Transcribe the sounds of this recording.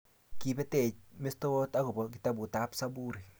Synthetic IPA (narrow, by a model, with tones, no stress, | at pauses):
ki˦bɛ˦te˨t͡ʃ̚me˦sto˦o˦ta˦ku˨bɔki˦ta˦bu˨ta˦psa˦bu˦ɾi˨